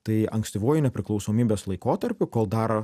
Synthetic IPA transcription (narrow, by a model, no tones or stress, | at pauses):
t̪ɐɪɐŋksʲt̪ʲɪʋoːjʊnʲɛpʲɾʲɪklˠɒʊsoːmʲiːbʲeːslˠɐɪkoːt̪ɐɾʲpʲʊkoːlˠd̪ɑːɾɐ